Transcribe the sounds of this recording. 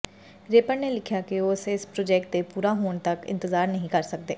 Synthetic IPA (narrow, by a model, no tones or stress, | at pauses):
ɾeːpənnelɪkʰjaːkiosɪspɾoːd͡ʒɛːk̚ʈ̚d̪epuːɾaɦoːɳ̃t̪əkɪ̰̃nt̪əzaːɾnəɦĩkəɾsək̚d̪eː